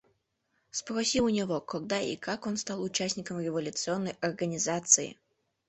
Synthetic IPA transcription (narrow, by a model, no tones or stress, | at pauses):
spɾɐsʲiʊnʲɪvokɐɡ̚d̪aʔḭkakonst̪alˠʊt͡ɕæsʲnʲɪkəmɾʲɪvɐlʲʊt̪sɨonːəjɐrɡənʲɪzat̪sɨɪ̰